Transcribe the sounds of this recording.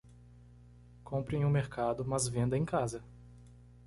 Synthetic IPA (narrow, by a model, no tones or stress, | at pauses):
kõmpɾẽj̃ũmeɾkad̪ʊmɐzvẽnd̪ɐẽj̃kazɐ